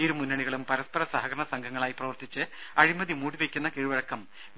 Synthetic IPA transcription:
eɾumunːɐɳiɣɐɭumpɐɾɐspɐɾɐsaɦɐɡɐɾɐɳɐsɐŋɡʱɐŋːɐɭaːjprɐʋɐrt̪it͡ɕːɨɐɻimɐðimuːɽiʋekʲːunːɐkiɻuʋɐɻɐkːɐm

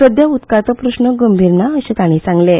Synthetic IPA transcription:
səd̪jaut̪kat͡s̪ɔpɾəɕɳəɡəmbʱiɾnaəɕĩt̪aɽ̃ĩsãŋɡle

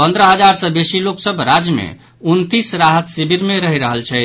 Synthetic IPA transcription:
pənd̪ɾəɦəd͡ʒaɾsəbesiloksəbɾad͡ʒmḛ | unt̪isɾaɦət̪sibiɾmeɾəɦiɾəɦəlt͡ʃʰɛ

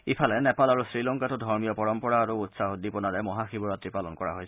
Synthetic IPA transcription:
ipʰalɛnɛpalaɹusɹilɔŋkatʊdʱɔɹmijɔpɔɹɔmpɔɹaːɹuːtsaɦodipɔnaɹɛmɔɦaxibɔɹɔtɹipalɔnkɔɹa̰ɦojsɛ

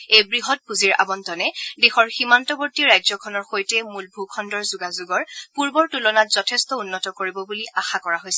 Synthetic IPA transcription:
ejbɹiɦɔt̚puziɹa̰bɔntɔnɛdexɔɹximantɔbɔɹtiɹajzɔkʰɔnɔɹxojtɛmulbʱukʰɔndɔɹzuɡazuɡɔɹpuɹbɔɹtulɔnatz̥ɔtʰestɔunːɔtɔkoɹibɔbuliaxakɔɹaɦojsɛ

